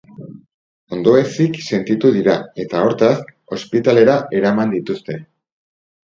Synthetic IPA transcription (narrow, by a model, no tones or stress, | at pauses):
o̞nd̪o̞esikse̞nt̪it̪uðiɾae̞t̪ao̞ɾt̪as | o̞spit̪ale̞ɾaʔe̞ɾamand̪it̪ust̪e̞